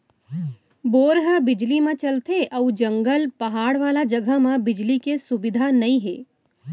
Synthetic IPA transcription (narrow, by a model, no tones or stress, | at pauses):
boːɾɦəbɪd͡ʒlimẽt͡ʃɐlt̪eʔɐʊd͡ʒɐ̃ŋɡəlpɐɦaːɽʋaːlad͡ʒɐɡʱəmãbɪd͡ʒlikesʊbɪd̪ʱanɐĩɦḛː